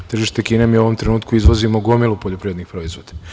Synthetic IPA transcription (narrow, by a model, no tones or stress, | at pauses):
t̪r̩ʒiːʃt̪e̞kiːnemiuoʋo̞mt̪ɾe̞nuːt̪kuizʋozimoɡomilˠupoʎopɾiːʋed̪nixpɾo̞izʋod̪a